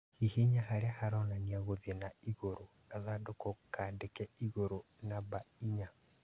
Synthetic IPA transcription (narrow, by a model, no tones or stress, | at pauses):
hiheɲahaɾeahaɾɔnaniaɣoðɛnaiɣoɾonaðaːndokokaːndekɛiɣoɾo | nabaiɲa